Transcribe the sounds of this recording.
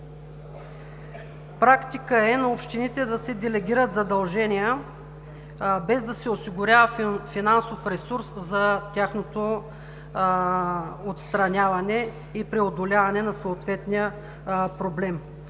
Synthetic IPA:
pɾakt̪ikəɛnɐopʃt̪init̪ɛd̪ɐsɛd̪ɛlɛɡʲiɾət̪zɐd̪ɐlˠʒɛnijə | bɛzd̪ɐsɛosiɡʊɾʲjavəfinansofɾɛsuɾszɐt̪ʲaxnot̪o | ot̪st̪ɾɐnʲavɐnɛ | ipɾɛod̪olʲavɐnɛnɐsoːt̪vɛt̪nijə | pɾoblɛm

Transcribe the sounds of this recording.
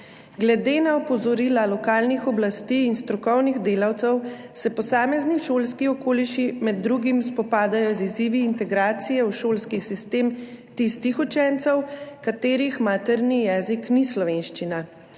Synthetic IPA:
ɡlɛd̪eːnaɔpɔzɔɾilalɔkaːlnixɔblast̪iːnst̪ɾɔkɔwniɣd̪eːlawt̪sɛw | sɛpɔsaːmɛzniʃoːlskiɔkoːliʃimɛd̪ːɾuɡimspɔpaːd̪ajɔziziːʋiːnt̪ɛɡɾaːt̪sijɛwʃoːlskisist̪eːmt̪ist̪ixut͡ʃɛnt̪sɛwkat̪eːɾixmaːt̪ɛɾnijɛːziknislɔʋenʃt͡ʃina

